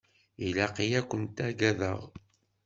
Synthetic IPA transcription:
ilæqijækʷːənt̪æɡæðə̰ʁ

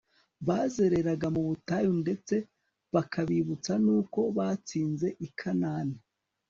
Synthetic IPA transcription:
βaːze̞ɾe̞ɾaɡamuβutajunde̞t͡se | βakʰaβiβut͡sanuːko̞βaːt͡siːnze̞ʔikʰanaːni

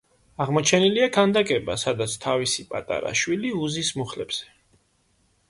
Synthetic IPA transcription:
aʁmɔt͡ʃʰɛniliakʰand̪akʼɛba̰sad̪at̪sʰt̪ʰavisipʼat̪ʼa̰ɾa̰ʃwiliuzismuχlɛbz̥ɛ

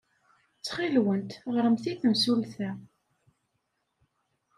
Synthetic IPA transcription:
t͡sːχilwənt̪ʁɾəmθiθəmsulθæ

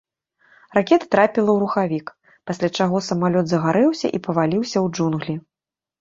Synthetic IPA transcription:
rakʲɛt̪ɐ̥t̪ɾapʲilˠɐwɾuxavʲik | pasʲlʲat͡ʂaɣɔsɐmalʲɔd̪zɐɣaɾɛwsʲɐ̰ʔipɐvalʲiwsʲɐwd͡ʐunɣlʲi

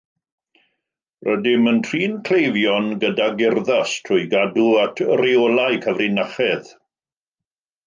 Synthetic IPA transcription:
rʔədɪməntʰriːnkʰl̥ejvjɔnɡədaɡɪrðastʰrʊjɡaduatʰreɔlajkʰəvrɪnaχɛð

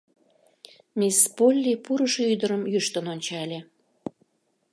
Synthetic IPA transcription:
mʲispolʲːipuɾəʃeyd̪əɾəmjyʃt̪ənonʲt͡ɕɑlʲe

